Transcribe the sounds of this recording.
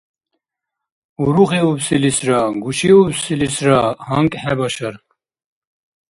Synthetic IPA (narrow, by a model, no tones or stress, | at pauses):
uɾuɣiupsilisɾaɡuʃiupsilisɾahaŋkʼħɛbaʃaɾ